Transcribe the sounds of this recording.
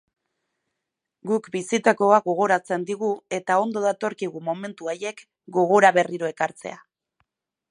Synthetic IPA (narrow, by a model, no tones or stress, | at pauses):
ɡukbisit̪ako̞aɡo̞ɣ̞o̞ɾat͡se̞nd̪iɣ̞ue̞t̪ao̞nd̪o̞ðat̪o̞ɾkiɣ̞umo̞me̞nt̪uaje̞k | ɡo̞ɣ̞oɾaβe̞riɾo̞e̞kaɾt͡se̞̰a